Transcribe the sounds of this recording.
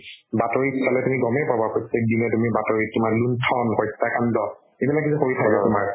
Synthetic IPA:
batɔɹisalɛtumiɡɔmɛpabapossek̚dimɛtumibatɔɹitumaɹluntʰɔnhɔjtːakandɔ | ebilakːisʰuxoɹitʰakbɛtʊmaɹ

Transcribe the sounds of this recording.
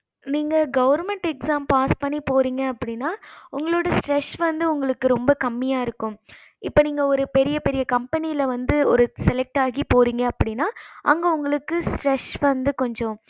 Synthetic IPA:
niːŋɡɐɡɐʋɐɾmɛɳʈɛksaːmpaːspɐɳːipoːɾiːŋɡɐɐpːɐɽɪnːaːʊŋɡɐɭoːɽɐsʈɾɛʂʋɐnd̪ɯʊŋɡɐɭɯkːɯɾɔmbɐkɐmːɪjaːɪɾɯkːʊ̃m | ɪpːoːniːŋɡɐɔɾɯpɛɾɪjɐpɛɾɪjɐkɐmpɛnɪjɪlɐʋɐnd̪ɯɔɾɯsɛlɛk̚ʈaːɣipoːɾiːŋɡɐːpːɐɽɪnːaːʔɐŋɡɐʊŋɡɐɭɯkːɯsʈɾɛʂʋɐnd̪ɯkɔɲd͡ʒɔ̃

